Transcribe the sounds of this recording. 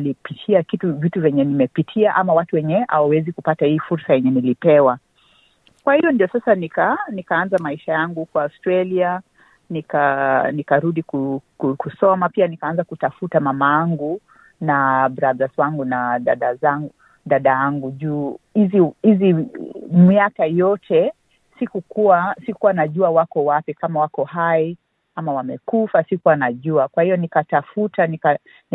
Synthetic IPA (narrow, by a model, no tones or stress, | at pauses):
lipitʰiakituvituvɛɲɛnimɛpitʰiaʔamawatuwɛɲɛha̰wawɛzikupatahiːfuɾsajɛɲɛnilipɛwa | kwahijɔndiɔsasanikanikaanzamaiʃajaŋɡukwaːstɾalia | nikanikaɾuɗikukukusɔmapianikaanzakutafutamamajaŋɡu | nabɾaðazwaŋɡunaɗaɗazaŋɡu | ɗaɗajaŋɡuʄuːhizihizimiakajɔtʰɛ | sikukuwasikukuwanaʄuawakɔwapikamawakɔhai | amawamɛkufasikuwanaʄuakwahijɔnikatafutanika